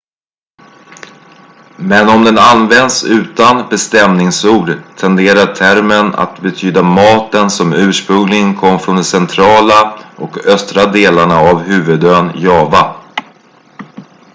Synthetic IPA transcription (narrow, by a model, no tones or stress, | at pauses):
mɛnɔmd̪ɛnanvɛnd̪sʉ̟ːt̪anbɛst̪ɛmnɪŋsuːɖt̪ʰɛnd̪eːɾaʈʰæɾməna̰t̪bɛt̪ʰyːd̪amɑːt̪ənsɔmʉ̟ːʂpɾɵŋlɪŋənkʰɔmːfɾɔnd̪ɛsɛnt̪ʰɾɑːlaʔɔkœst̪ɾad̪eːlaɳaavɦʉ̟ːvɵd̪øːnjɑːva